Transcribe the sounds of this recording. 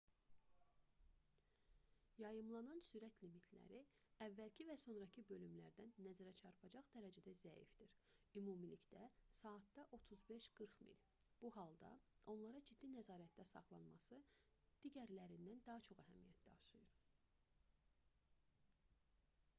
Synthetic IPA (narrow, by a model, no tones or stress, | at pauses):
jɑjɯmlˠɑnɑnsyɾæt̪ʰlimit̪ʰlæ̰ɾi | ævːælcʰivæso̞nɾɑcʰɯbø̞lymlæɾd̪ænːæzæɾæt͡ʃʰɑɾpʰɑd͡ʒɑχd̪æɾæd͡ʒæd̪æzæḭfd̪̥iɾymumilicd̪æsɑːt̪̚d̪ɑʔo̞t̪ʰuzbe̞ʃɡ̥ɯɾχmḭl | b̥uhɑlˠd̪ɑ̰o̞nlˠɑɾɑd͡ʒid̪ːinæzɑːɾæt̪̚d̪æsɑ̰χlˠɑnmɑ̰sɯ | d̪̥iɟæɾlæɾind̪ænd̪ɑɦɑt͡ʃʰo̞χæɦæmijæt̪̚ʰd̪æɑʃɯjɯɾ